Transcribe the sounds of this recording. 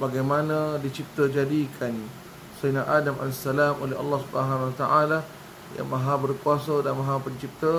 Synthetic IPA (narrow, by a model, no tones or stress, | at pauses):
baɡajmanãdit͡ʃip̚t̪əd͡ʒadikʰan | səinaʔadama̰lsalamʔolɛɦɑ̰lːɑhsubaɦanwat̪aʔala | ja̰ŋmaɦabərkuasədanmaɦapəɲt͡ʃip̚t̪ə